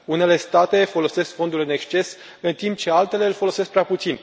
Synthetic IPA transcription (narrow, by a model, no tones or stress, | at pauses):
une̞le̞st̪at̪e̞fo̞lo̞se̞skfo̞nd̪ulɨne̞kst͡ʃe̞s | ɨnt̪imp̚t͡ʃe̞alt̪e̞le̞ɨlfolo̞se̞sk̚pɾeaput̪sin